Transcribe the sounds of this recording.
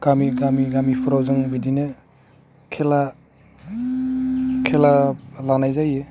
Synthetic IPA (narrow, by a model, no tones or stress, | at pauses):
ɡ̥amiɡamiɡamipʰɔɾazɯŋbidine | kʰela | kʰelalanajzaje